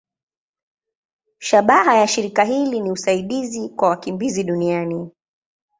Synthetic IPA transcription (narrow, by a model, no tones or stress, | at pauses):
ʃaɓaɦajaʃiɾikaɦiliniusaiɗizikwawakimbiziɗuniani